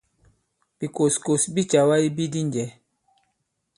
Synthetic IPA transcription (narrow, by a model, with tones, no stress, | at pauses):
b̥i˨ko˨sko˨sbi˦t͡ʃa˨wa˦i˦bi˦di˦nd͡ʒɛ˨˦